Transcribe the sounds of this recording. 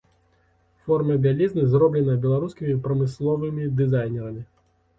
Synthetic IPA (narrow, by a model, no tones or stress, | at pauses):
fɔrmɐbʲalʲiznɨzɾɔblʲɛnɐbʲɛlˠaɾuskʲimʲipɾɐmɨslˠɔvɨmʲid̪ɨzajnʲɛɾɐmʲi